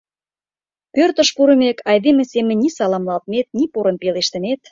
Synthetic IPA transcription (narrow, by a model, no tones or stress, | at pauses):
pørt̪ə̆ʃpuɾə̆mekʰɑjd̪emĕsemə̆nʲisɑlɑmlɑlt̪met̪̚nipoɾə̆npeleʃt̪ə̆met̪